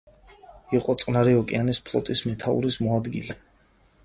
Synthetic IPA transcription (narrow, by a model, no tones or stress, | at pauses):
iqʼɔt̪sʼqʼnaɾiɔkʼianispʰlˠɔ̰t̪ʼismɛt̪ʰaṵɾismɔad̪ɡḭlɛ